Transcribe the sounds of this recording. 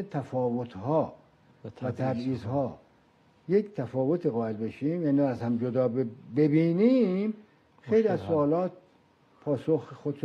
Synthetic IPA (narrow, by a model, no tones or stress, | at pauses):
et̪ʰæfɒːvot̪ʰhɒː | væt̪ʰæbiːzhɒː | jekt̪ʰæfɒːvot̪ʰiɣɒːe̞lbe̞ʃiːmjæːniæzhæmd͡ʒod̪ɒːbbebiːnim | xejliæzsoɒːlɒːt̪̚ | pʰɒːsoxxod̪ʃ